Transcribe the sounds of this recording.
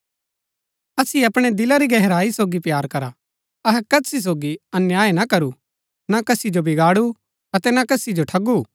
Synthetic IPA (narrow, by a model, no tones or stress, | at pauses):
ɐsieɐpɽ̃ed̪ɪlaɾiɡɛɦɛɾaːisoːɡipjaːɾkɐɾa | ɐɦɛkɐsis̬oːɡiɐnjaːenakɐɾu | nakɐsid͡ʒobʱɪɡaːɽu | ɐt̪ɛnakɐsid͡ʒoʈʰɐɡu